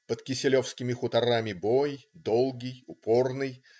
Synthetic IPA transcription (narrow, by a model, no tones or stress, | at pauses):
pət̪kʲɪsʲɪlʲo̞fskʲɪmʲɪxʊt̪ɐɾamʲɪbo̞jd̪olˠɡʲɪjʊpo̞rnɨj